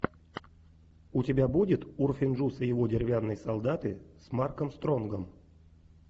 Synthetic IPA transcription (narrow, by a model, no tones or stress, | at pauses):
ʊtʲɪbʲabudʲɪt̪urfʲɪnʐusəjɪvo̞dʲɪɾʲɪvʲanːəjsɐlˠd̪at̪ɨsmarkəmst̪ɾo̞nɡəm